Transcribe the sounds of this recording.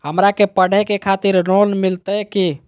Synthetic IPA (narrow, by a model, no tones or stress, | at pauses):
ɦəmɾakepəɽ̤ɛkekʰat̪iɾɾonmilt̪əki